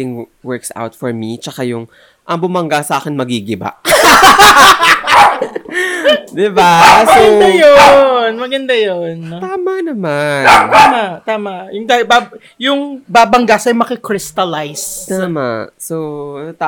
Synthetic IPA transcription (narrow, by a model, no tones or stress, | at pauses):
ɪŋ | wɛɹksa̰wt̪fɔɹmit͡ʃɐkajʊŋ | ʔɐŋbʊmɐŋɡasɐʔaːkɪnmɐɡiɡɪba̰ʔ | d̪ɪbasmɐɡoɐd̪ajonmɐɡɐnd̪ajont̪aːmanɐmanːt̪aːmat̪aːmɐʔjʊŋd̪aba | jʊŋbaːbɐŋɡasɐjmɐkɪkɹɪst̪ɐlajst̪ama̰sot̪a